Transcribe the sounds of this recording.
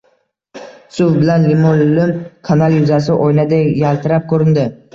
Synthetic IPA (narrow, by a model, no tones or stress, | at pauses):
sʊvbɪlanlɪmollɪmkʰanalˠjʊzasɪʔɔjnad̪ajalˠt̪ʰɪɾap̚kʰɵɾɪnd̪ɪ